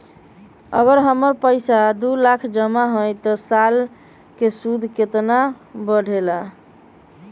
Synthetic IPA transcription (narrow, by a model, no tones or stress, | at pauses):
ə̰ɡəɾɦəməɾpəjsad̪ulakʰd͡ʒəmaɦojt̪ɔsal | kesud̪ʱket̪nabəɽʱela